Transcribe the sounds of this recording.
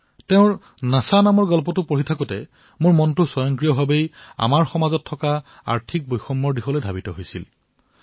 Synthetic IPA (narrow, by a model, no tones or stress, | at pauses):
teʊ̃ɹ | nasanamɔɹɡɔlpɔtʊpoɦitʰakutɛ | mʊɹmɔntʊsɔjɔŋkɹijɔbʱabeja̰maɹxɔmazɔtʰːɔka | a̰ɹtʰik̚bojxɔmːɔɹdixɔlojdʱabitɔɦojsḭl